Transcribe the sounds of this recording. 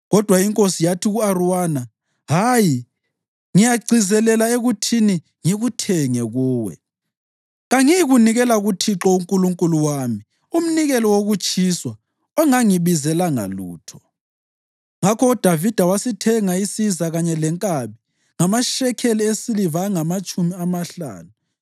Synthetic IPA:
ɣɔd̥ʱwaiŋkʼosijatʰiɣuaruwana | ɦaji | ŋijaɡ͡ǀʱizɛlɛlaeɣutʰini | ŋiɣutʰɛŋɛɣuːwɛ̰ | ɣaŋiɣuniɣɛlaɣutʰiǁɔuŋkʼuluŋkʼuluwami | um̩niɣɛlɔwoɣut͡ʃʼiswa | ɔŋaŋiβizɛlaŋa̰luːtʰɔ̥ | ŋakʰɔɔd̥ʱavid̥ʱawasitʰɛŋaisizaɣaɲɛlɛŋkʼaβi | ŋamaʃɛkʰeliesilivaŋamat͡ʃʼumiamaɬa̰ːnu

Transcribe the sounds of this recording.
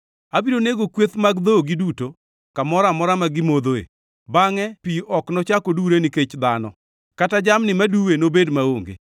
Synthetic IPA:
abiɾoneɡokwet̪maɡd̪oɡiduto | kamɔɾamɔɾamaɡɪmod̪oḛ | baŋɛpiʔɔknɔt͡ʃakoduɾeniket͡ʃd̪anɔ̰ | katad͡ʒamnɪmaduwenobedmaoŋɡḛ

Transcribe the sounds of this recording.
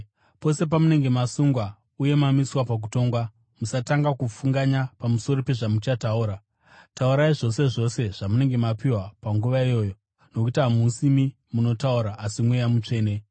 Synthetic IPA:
po̞se̞p̬amune̞ŋɡe̞masuŋɡwa | uje̞mamiswapak̬uto̞ːŋɡwa | musataŋɡakufuŋɡaɲapamuso̞ɾope̞ʐamut͡ʃatauːɾa | tauɾaiʐo̞se̞ʐo̞se̞ʐ̥amune̞ŋɡe̞mapiwapaŋɡuʋaijo̞ːjo̞ | no̞kutiamusimi | muno̞tauɾaːsimwejamut͡ʂe̞ːne̞

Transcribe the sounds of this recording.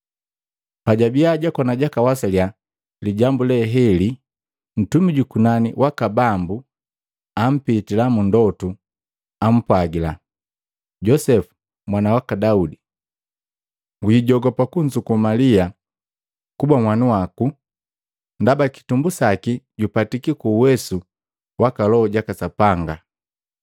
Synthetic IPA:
paɟabiaɟakwanaɟakawasalja | liɟambulɛɦɛli | n̩tumiɟukunaniwʔakabambu | am̩pitilamundɔtu | am̩pwaɡila̰ | ɟɔsɛfu̥ | mwanawakadaudi | ŋɡuɟiɟɔɡɔpakuɲd͡ʒukumalia | kubamwanuwaku | ndabaki̥tumbusakiɟupatikikuːwɛsu | wakalɔɔɟakasapaŋɡa

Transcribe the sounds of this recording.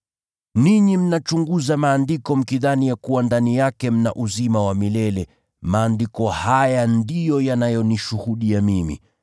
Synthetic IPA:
niɲim̩nat͡ʃuŋɡuzamaːndikɔm̩kiðanijakuwandanijakɛm̩na̰ʔuzimawamilɛlɛ | maːndikɔhajandijɔjanajɔniʃuhuɗiamimḭ

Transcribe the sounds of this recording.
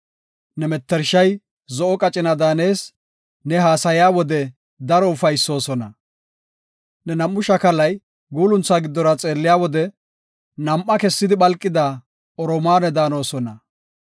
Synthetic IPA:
nɛmɛt̪ːɛɾʃɐj | zɔʔɔkʼɐt͡ʃʼɪnɐd̪aːne̞ːs | nɛɦaːsɐjɪjaːwɔd̪ɛ | d̪ɐɾɔʊfɐjsːo̞ːsɔnɐ | nɛnɐmːʊʃɐkɐlɐj | ɡuːlʊnt͡sːaːɡɪd̪ːɔɾɐt͡sʼe̞ːlːɪjaːwɔd̪ɛ | nɐmʔːɐkɛsːɪd̪ɪɓɐlkʼːɪd̪a | ɔɾɔmaːnɛd̪aːno̞ːsɔnɐ

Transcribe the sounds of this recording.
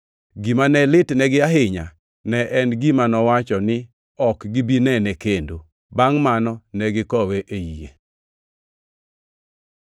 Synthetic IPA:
ɡimanɛlɪtnɛɡɪaɦɪɲa̰ | nɛʔɛnɡimanɔwat͡ʃɔnɪ | ɔkɡibinɛnɛkendo | baŋmanɔnɛɡɪkɔweʔejijḛ

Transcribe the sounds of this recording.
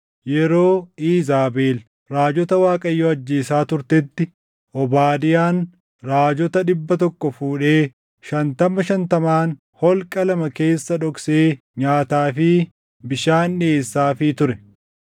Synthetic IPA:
jɛɾo̞ːiːzaːbeːl | ɾaːd͡ʒɔt̪ɐwaːkʼɐjːɔɐd͡ʒːeːsaːt̪ʊɾt̪ɛt̪ːɪ | ʔɔbaːd̪ɪjaːn | ɾaːd͡ʒɔt̪ɐᶑɪbːɐt̪ɔkːɔfuːᶑe̞ː | ʃɐnt̪ɐmɐʃɐnt̪ɐmaːn | hɔlkʼɐlɐmɐke̞ːsːɐᶑɔkseː | ɲaːt̪aːfɪ | bɪʃaːnᶑeːsːaːfɪt̪ʊɾɛ

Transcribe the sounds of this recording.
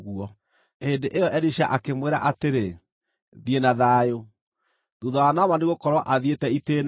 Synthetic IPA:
ɣuɔ | endeʔejɔʔɛɾiʃaʔakemweɾa̰ʔateɾe | ðienaðaːjo | ðuðɔwanamaneɣokɔɾwɔʔaðietɛiten

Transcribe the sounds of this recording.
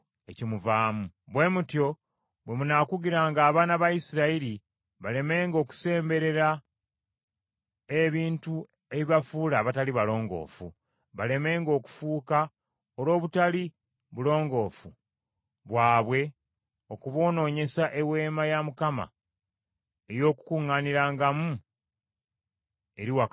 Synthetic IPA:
e̞cimuvaːmu | βwe̞ːmutjo̞ | bwe̞munakuɡiɾaŋɡaːβaːnaβajisiɾaiɾi | βale̞me̞ːŋɡo̞ːku̥se̞ːmbe̞ɾe̞ɾa | eβiːntu | e̞βiβafuːlaːβataliβalo̞ːŋɡo̞̰ːfṵ | βale̞me̞ːŋɡo̞ːku̥fuːka | o̞lo̞ːβutali | βulo̞ːŋɡo̞ːfu | βwaːβwe̞ | o̞kuβo̞ːno̞ːɲe̞saʔe̞we̞ːmajamukama̰ | e̞jo̞ːku̥kuŋːaniɾaːŋɡamu | e̞ɾiwak

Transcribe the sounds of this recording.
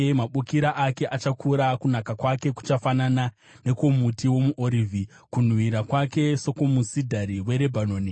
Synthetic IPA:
maɓukiɾaʔake̞ʔat͡ʃakʰuɾakunakakwake̞ku̥t͡ʃafanana | ne̞ko̞mutiwo̞muʔoɾivʱi | kun̤wiɾakwake̞so̞ko̞musidʱaɾiwe̞ɾebʱanoːni

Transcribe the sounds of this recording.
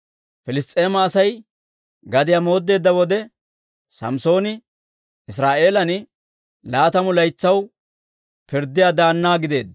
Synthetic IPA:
fɪlɪst̪ʼːe̞ːmɐːsɐj | ɡɐd̪ɪjamo̞ːd̪ːe̞ːd̪ːɐwɔd̪ɛ | sɐ̰mso̞ːnɪ | ɪsɾaːʔe̞ːlɐnɪ | laːt̪ɐmʊlɐjt͡sːɐw | pɪɾd̪ːɪjaːd̪aːnːaːɡɪd̪e̞ːd̪

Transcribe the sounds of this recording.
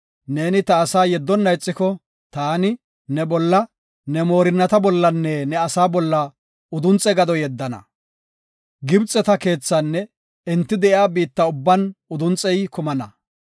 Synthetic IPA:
ne̞ːnɪt̪ɐːsaːjɛd̪ːɔnːɐjt͡sʼːɪkɔ | t̪aːnɪ | nɛbɔlːɐ | nɛmoːɾɪnːɐt̪ɐbɔlːɐnːɛnɛɐsaːbɔlːɐ | ʊd̪ʊnt͡sʼɛɡɐd̪ɔjɛd̪ːɐnɐ̰ | ɡɪbt͡sʼːɛt̪ɐke̞ːt͡sːɐnːɛ | ɛnt̪ːɪd̪ɛʔɪaːbiːt̪ːɐʊbːɐnʊd̪ʊnt͡sʼɛjkʊmɐnɐ

